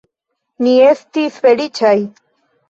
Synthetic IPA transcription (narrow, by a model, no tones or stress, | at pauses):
nie̞stisfe̞lit͡ʃaj